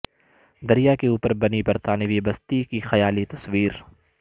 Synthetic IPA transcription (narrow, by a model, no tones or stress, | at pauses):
d̪ɐɾijakeuːpəɾbɐnipɐɾt̪aːneʋibɐst̪ikixɐjaːlit̪ɐsʋiːɾ